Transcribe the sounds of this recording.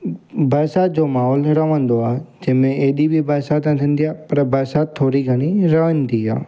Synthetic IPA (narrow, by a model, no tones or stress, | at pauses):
bɐɾsaːt̪̚d͡ʑoːmaːɦɔːlɾɐʋə̃nd̪oaːd͡ʑɐɦmẽeːɗibʱibəɾsaːt̪nt̪ʰĩn̆d̪ijaːpɐɾbɐɾʃaːt̪ʰːoːɾiɡʱɐɽ̃iɾɐʋənd̪iːa̰ː